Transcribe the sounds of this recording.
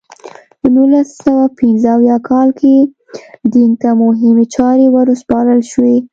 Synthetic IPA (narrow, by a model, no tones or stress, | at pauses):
pənulasawapɪnzəawjɑkʰɑlke | d̪int̪amʊɦɪmet͡ʃɑɾewaɾospɑɾəlʃwe